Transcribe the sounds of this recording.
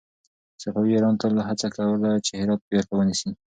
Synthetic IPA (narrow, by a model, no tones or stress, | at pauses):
safawiaɾɑnt̪alaɦat͡sakawəlat͡ʃehɪɾɑt̪̚baxawənisi